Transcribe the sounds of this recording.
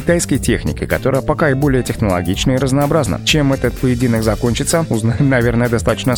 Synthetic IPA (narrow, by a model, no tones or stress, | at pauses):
ɪt̪ajskəjtʲexnʲɪ̰kʲɪ̰kɐt̪o̞ɾəjəpɐkaɪbo̞lʲɪjətʲɪxnəlˠɐ̰ɡʲit͡ɕnəiɾəznəːbɾaznə̰t͡ɕemɛt̪ət̪̚pəjɪdʲinəkzɐkonʲt͡ɕɪt̪səʊznaɪmnɐvʲernəjəd̪ɐst̪at̪ə̥t͡ɕnə